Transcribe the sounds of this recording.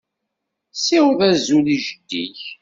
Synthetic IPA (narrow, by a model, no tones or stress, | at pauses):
siwðæzuliʒəd̪ːḭç